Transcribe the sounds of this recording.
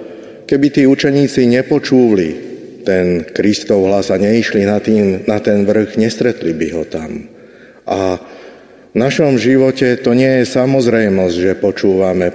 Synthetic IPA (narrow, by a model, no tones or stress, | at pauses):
kɛbit̪iːut͡ʃɛɲiːt͡siɲɛpɔt͡ʃuːʋli | t̪ɛnkɾist̪ɔʊɦlazaɲɛiʃlinat̪iːmnat̪ɛnʋr̩ɣɲɛst̪ɾɛt̪libiɦɔt̪am | ʔa | vnaʃɔmʒiʋɔcɛt̪ɔɲɪɛjɛsamɔzɾɛjmɔzɟʒɛpɔt͡ʃuːʋamɛ